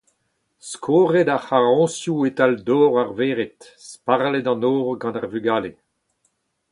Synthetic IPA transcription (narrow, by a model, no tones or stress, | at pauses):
skʰoːʁedaχaʁɔ̃sjuetaldɔːʁaʁveːʁet | spaʁledɑ̃nɔːʁɡɑ̃naʁvyɡaːle